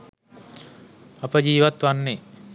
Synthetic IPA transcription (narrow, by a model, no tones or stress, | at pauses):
apəd͡ʒiːʋat̪ʋanːe